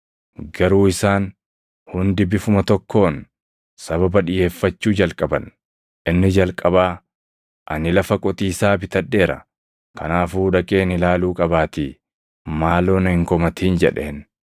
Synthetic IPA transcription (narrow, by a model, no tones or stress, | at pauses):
ɡɐɾuːɪsaːn | hʊnd̪ɪbɪfʊmɐt̪ɔkːo̞ːn | sɐβɐbɐᶑɪje̞ːfːɐt͡ʃːuːd͡ʒɐlkʼɐbɐn | ʔɪnːɪd͡ʒɐlkʼɐbaː | ʔɐ̰nɪlɐfɐkʼɔt̪ʼiːsaːbɪt̪ɐᶑːe̞ːɾɐ̰ | kɐnaːfuːᶑɐkʼe̞ːnɪlaːluːkʼɐbaːt̪iː | maːlo̞ːnɐhɪŋkɔmɐt̪ʰiːnd͡ʒɛ̰ᶑeːn